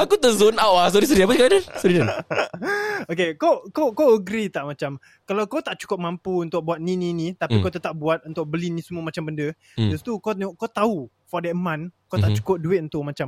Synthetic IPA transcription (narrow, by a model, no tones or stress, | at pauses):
akut̪əzʊnawas̬oɾis̬əɾiap̬ət̪ikadənsoɾidə | okekokokoəɡɾit̪aʔmat͡ʃam | kalawkawt̪aʔt͡ʃu̥kʊp̚mampuunt̪ʊʔ̚buat̪̚nĩnĩnĩt̪apikawt̪ət̪ap̚buat̪̚unt̪ʊʔ̚bəlinĩsəmuəmat͡ʃambəndə | d͡ʒust̪ukokat̪au | fɔdɛʔmãnkawt̪aʔt͡ʃu̥kʊp̚duɪt̪̚unt̪ʊʔ̚mat͡ʃam